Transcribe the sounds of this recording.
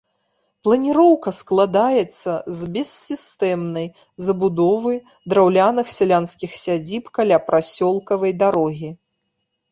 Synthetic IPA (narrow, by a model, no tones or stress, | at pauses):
plˠɐnʲiɾɔwkɐsklˠad̪ajɛt̪sːɐzbʲɛsːʲist̪ɛmnɐj | zɐbud̪ɔvɨj | d̪ɾawlʲanɨxsʲɛlʲanskʲixsʲad͡zʲipkalʲapɾʔasʲɔlˠkɐvɐjd̪aɾɔɣʲi